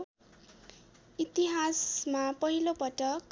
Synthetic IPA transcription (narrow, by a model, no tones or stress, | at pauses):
it̪iɦasmapʌɦilopʌʈʌk